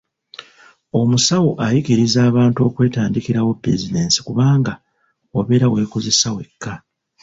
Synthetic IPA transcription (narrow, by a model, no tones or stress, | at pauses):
o̞musawuʔajikiɾizaːβaːntuo̞ːkwe̞ːtaːndikiɾawo̞pːɾezide̞ːnsi̥kuβaːŋɡa | oβe̞ːɾawe̞ːkoze̞sawe̞kːa